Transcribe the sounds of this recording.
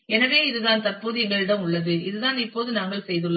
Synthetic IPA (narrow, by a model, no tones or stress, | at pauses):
ɛnɐʋeːɪðɯðaːnt̪ɐrpoːðɯɛŋɡɐɭɯɽɐmʊɭːɐðɯɪðɯðaːnɪpːoːðɯnaːŋɡɐɭsɛjðɯɭːɐ